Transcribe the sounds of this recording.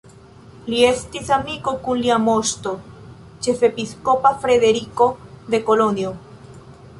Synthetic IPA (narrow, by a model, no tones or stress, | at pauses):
liest̪iθamikokunliamost̪o | t͡ʃefepiskopafɾeðeɾikoðekolonjo